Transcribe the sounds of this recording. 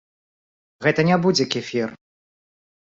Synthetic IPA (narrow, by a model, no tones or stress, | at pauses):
ɣɛt̪ɐnʲabud͡zʲɛkʲifʲir